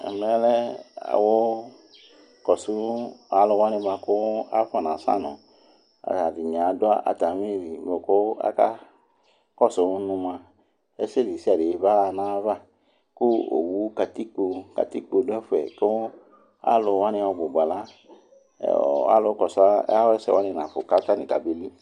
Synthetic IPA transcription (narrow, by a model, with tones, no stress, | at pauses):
ɛ̰˨mɛ˦lɛ˦a̰˨wo˦ | kɔ˨su˦a˨˦lʊ˧wa˦ni˧mã˧kʊ˦a˦fa˨nã˨sa̰˦˨nɔ̰̃˨ | a̰˨a˨di˨ɲ˨a˨˦dʊ˦a˦ʔa̰˨ta˨mi˦˨ɾi˨mo˨kʊ˦a̰˦ka˦ | kɔ˦sʊ˨˦nũ˧mã˧ | ɛ˦se˦˨li˨si˦a˨de˨˦ba˦a˧nã˦va˦ | kʊ˦o̰˨wu˦ka˧ti˦k͡po˧ka̰˨ti˦k͡po˧˨du˦ɛ˦fu˦ɛ̰˨ko˦ | a̰˦lʊ˧wa˦nĩ˧ɔ˧ɡ͡bʊ˨ɡ͡ba˨la̰˦˨ | a̰˦lʊ˨˧˦kɔ˨sa̰˦a˦wɛ˦sɛ̰˦˨wa˦nĩ˧nã˨fʊ˨ka˦ta˦nĩ˨ka˨be˨˦li˦